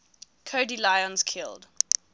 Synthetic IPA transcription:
kʰoːdilaɪɔ̃nz̥kʰɪlˠd

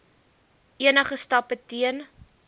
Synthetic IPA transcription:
ʔiənəχəstɐpətiən

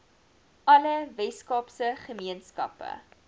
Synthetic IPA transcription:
ʔɐləvɛskɑpsəχəmiənskɐ̰pə̰

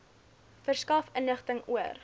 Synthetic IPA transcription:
fərskɐfənəχtəŋuər

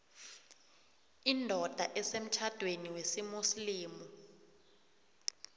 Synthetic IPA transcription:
indʱɔd̥ʱaʔɛsem̩t͡ʃʰad̥ʱweniwesimusliːmu

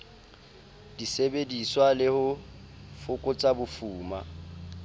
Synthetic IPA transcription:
d̥isebediswalɪhʊ | fʊkʼʊt͡sʼabʊfuːma̰

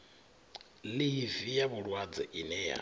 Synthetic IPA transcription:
livijaβuɺwad͡zɛʔinɛja̰

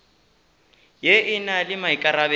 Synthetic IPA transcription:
jeʔɪnalɪmaikʼaɾabɛ

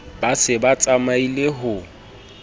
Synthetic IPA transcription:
basɪbat͡sʼamaileɦʊ

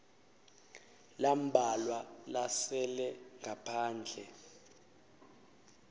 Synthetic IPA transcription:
lam̩bʱalwalasɛlɛŋɡʱapʰaːnd͡ɮʱɛ

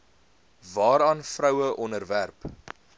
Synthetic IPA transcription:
vɑːɾɑːnfrœwəʔɔnərværp

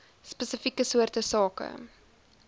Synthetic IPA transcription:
spəsəfikəsuərtəsɑːkə̰

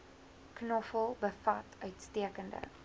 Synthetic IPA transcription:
knɔfəlˠbəfɐtœɥtstiəkəndə̰

